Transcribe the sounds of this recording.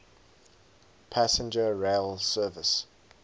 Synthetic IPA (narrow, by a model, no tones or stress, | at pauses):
pʰæsə̃nd͡ʒəɹeɪlˠsɜːvəs